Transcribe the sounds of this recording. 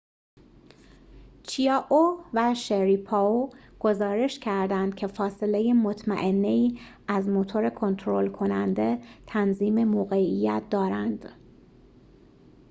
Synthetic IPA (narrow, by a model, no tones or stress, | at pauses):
t͡ʃʰiɒːʔovæʃeɾipʰɒoɡ̥o̞zɒːɾe̞ʃcʰæɾd̪ænd̪̥̚cʰe̞fɒːse̞le̞jemot̪ʰmæ̰ʔe̞nːeiː | æzmot̪ʰo̞ɾe̞kʰo̞nt̪ʰɾo̞lkʰo̞nænd̪e̞t̪ʰænziːme̞moːɣeijæt̪̚ʰd̪ɒːɾænd̪̥